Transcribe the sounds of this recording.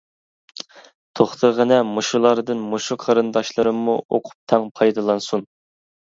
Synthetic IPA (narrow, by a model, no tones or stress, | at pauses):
t̪ʰoχt̪ʰəʁənɛmoʃulˠɑɾɨd̪ɨnmoʃuqʰɑɾɨnd̪ɑʃlˠɨɾɨmːuo̰qʰʊ̥p̚t̪ʰɛŋpʰɑjd̪ɑlˠɑnsun